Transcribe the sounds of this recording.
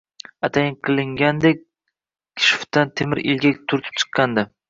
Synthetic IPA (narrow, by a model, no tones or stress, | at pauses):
at̪ʰajɪnqʰɨlˠɪŋɡʲand̪ek̚ʲ | kʲʰɪ̥ʃɪ̥ft̪ant̪ʰemɪɾʔɪ̰lɡʲat̪ʰʊɾt̪ʰɪ̥p̚t͡ʃʰɨ̥qʰːɑnd̪ɪ